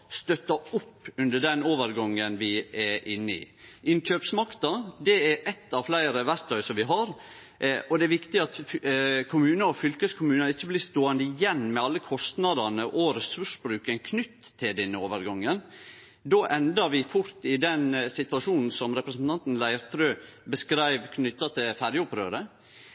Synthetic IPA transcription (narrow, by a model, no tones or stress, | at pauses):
st̪œt̪ːɑʊpːʉnd̪əɖɛnoːʋəɾɡɑŋːənʋɪɛʔɪnːəɪ̰ | ʔɪnɕøːpsmɑkt̪ɑd̪ɛɛɾʔɛt̪ːɑʋflæɪɾəʋæɾt̪ʰœʏsɔmʋɪɦɑɾ | ʔɔd̪ɛːʋɪkt̪ɪɑt̪kʰʊmʉːnəɔfʏlkəskʰʊmʉːnəɾɪçːəblɪst̪oːɑnd̪əɪjɛnːmɛɑlːəkʰɔst̪nɑd̪ɑnəʔɔɾɛsʉʂbɾʉːkənkʰnʏt̪ʰːɪld̪ɛnːəoːʋəɾɡɑŋːən | d̪oːʔɛnd̪ɑɾʋɪfʊɾt̪ɪd̪ɛnsɪt̪ʋɑʂuːnn̩sɔmɾɛpɾəsn̩t̪ʰɑnt̪n̩læɪɾt̪ʰɾøːbəskɾæɪʋkʰnʏt̪ːɑt̪ʰɪlfæɾjəʊpɾø̰ːɾə